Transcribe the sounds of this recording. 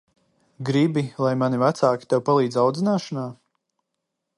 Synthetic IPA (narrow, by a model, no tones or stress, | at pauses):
ɡɾibilˠajmanivat̪saːkʲit̪ɛwpalˠiːd̪zawd̪zinaːʃɔnaː